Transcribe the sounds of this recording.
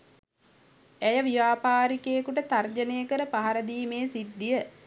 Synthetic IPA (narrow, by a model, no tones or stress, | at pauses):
æjəʋiʋaːpaːɾikejekuʈət̪ard͡ʒənejəkəɾəpaɦaɾəd̪iːmeːsid̪ːijə